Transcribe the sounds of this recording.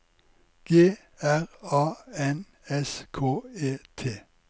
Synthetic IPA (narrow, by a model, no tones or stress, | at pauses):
ɡ̥eː | æʁɑːɛn | ɛskʰoːeːt̪ʰeː